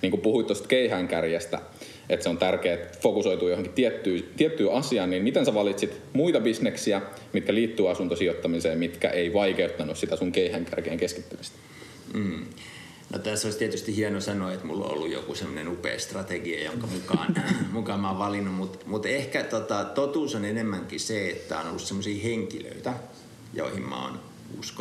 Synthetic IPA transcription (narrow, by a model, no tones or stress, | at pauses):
niːŋkupuhuit̪t̪ost̪keihæŋkærjæst̪æ̰ | et̪seont̪ærkeːt̪fokusojt̪uːjohoŋkitt̪iet̪ːyːt̪iet̪ːyːʔɑsiɑːniːmmit̪ensæʋɑlit̪sit̪muit̪ɑbisneksiæ | mit̪kæliːt̪ːyːɑsunt̪osiot̪ːɑmiseːmmit̪kæ̰ʔeiʋɑikeut̪ːɑnussit̪æsuŋkeihæŋkæ̰rkeːŋkeski̥t̪ːymist̪æ̥ː | no̰t̪æsːoist̪iet̪yst̪ihienosɑnoːet̪mṵlːo̰o̰lːujo̰kusemːonenupḛːst̪rɑt̪eɡiɑ̰jo̰ŋkɑmukɑ̰ːnmukɑmɑʋʋɑlinːumut̪mut̪ehkæt̪ot̪ɑt̪ot̪uːsonenemːæŋkiseet̪ːæonolːussemːosiːheŋkilø̰it̪æ | jo̰ˑihimmɑ̰o̰n | ṵsko̥